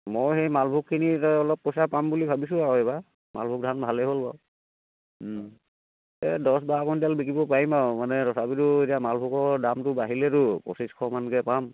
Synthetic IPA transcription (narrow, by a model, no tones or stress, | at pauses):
mojxɛjmalbʱukʰːinitɔɔlɔpːɔsapambulibʱabis̬ʊ̃aoɛba | ma̰lbʱuk̚dʱanbʱalɛɦolpa̰w | ɛdɔs̬bakɔndialbikibɔpaɹimawmanɛɾɔsabituetijamalbʱukɔɹdamtʊbaɦilɛɾʊpɔ̰siskʰɔmankɛpam